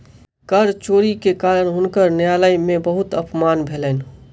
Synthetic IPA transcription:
kəɾt͡ʃoːɾikekaːɾəɽ̃ɦʊnkəɾnjaːləimẽbəɦʊt̪ɐpmaːnbʱeːlən

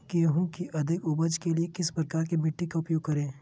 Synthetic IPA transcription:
keɦũkiʔɐd̪ʱɪkʊbəd͡ʒkeliekɪspɾɐkaːɾkimɪʈːikaʊpjoːɡ̚kːɐɾẽː

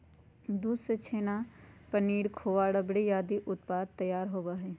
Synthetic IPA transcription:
d̪uːset͡ʃʰeːnapəniːɽkʰoːʋaːɽəbɽijaːd̪iʔʊt̪paːd̪̚t̪əjaːɾɦoːʋaɦɛː

